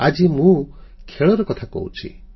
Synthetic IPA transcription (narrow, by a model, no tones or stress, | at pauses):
ad͡ʒimũkʰeɭɔɾɔkɔt̪ʰako̰ɦwt͡ʃʰḭ